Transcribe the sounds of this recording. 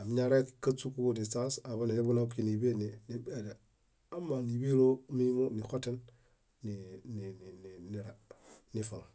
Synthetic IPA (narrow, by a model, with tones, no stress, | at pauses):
a˨mi˦ɲaɾe˦kkːa˦su˦ku˦odi˨sa˦sa˨ba˦ni˨la˦bu˦na˦bki˦ni˨be˦nini˨bede˨ | a˦mːa˨ni˨bi˦lo˦mi˦ni˦mo˦ni˨xo˦te˦n | ninininini˨ɾanifa˨ŋ